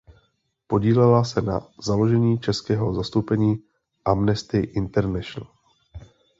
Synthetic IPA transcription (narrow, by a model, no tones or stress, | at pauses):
po̞ɟiːlɛlasɛna̰zalo̞ʒɛɲiːt͡ʃɛskɛːɦo̞zast̪opɛɲiː | ʔamnɛst̪ɪʔɪnt̪ɛɾnɛʃnl̩